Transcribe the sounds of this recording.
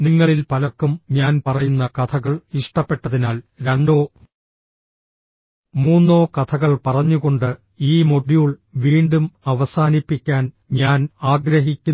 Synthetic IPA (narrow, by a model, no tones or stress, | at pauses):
niŋːɐɭilpɐlɐkːumɲaːnpɐrɐjunːɐkɐt̪ʰɐɣɐɭiʂʈɐpːe̞ʈːɐðinaːlɾe̞ɳɖo̞ː | muːnːo̞ːkɐt̪ʰɐɣɐɭpɐrɐɲːuɣo̞ɳɖɨ | iːmo̞ɽijuɭʋiːɳɖumɐʋɐsaːnipːikʲːaːn | ɲaːnaːɡɾɐɦikʲːu